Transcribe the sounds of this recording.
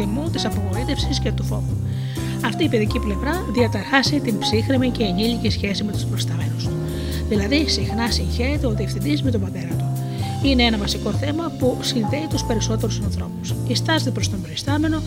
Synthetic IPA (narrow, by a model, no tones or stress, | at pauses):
imut̪isɐpoɣo̞ɾit̪e̞fsiscet̪uθo̞̰vu | ɐft̪iːpe̞ðiciple̞vɾɐ | ðiɐt̪ɐɾxɐsit̪imbsixɾimice̞ːɲiʎicisçe̞sime̞t̪u̥spɾofist̪ɐme̞nus | ðilɐðisixnɐsiɲçe̞ɾe̞t̪e̞o̞t̪iefθind̪izme̞t̪o̞bɐt̪e̞ɾɐt̪u | ineenɐvɐsiko̞θe̞mɐpusinðe̞it̪uspe̞ɾiso̞t̪e̞ɾusɐnθɾo̞pusist̪ɐzet̪epɾo̞st̪ompɾofist̪ɐme̞no̞